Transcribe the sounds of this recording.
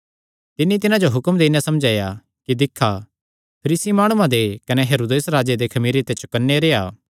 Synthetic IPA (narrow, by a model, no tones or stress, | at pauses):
t̪ɪnːit̪ɪnãd͡ʒoɦʊkəmd̪eːnasɐmd͡ʒaːja | kid̪ɪkʰːa | pʰɐɾiːsimaːɽ̃ʊuãd̪ekɐnɛɦeːɾoːd̪eːsɾaːd͡ʒed̪ekʰɐmiːɾit̪et͡ʃʊ̥kɐnːeɾeːaː